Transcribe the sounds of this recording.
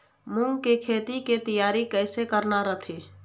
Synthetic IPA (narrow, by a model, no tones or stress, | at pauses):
mũŋɡkekʰeːt̪iket̪əjaːɾikɛːsekəɾnaɾət̪ʰeː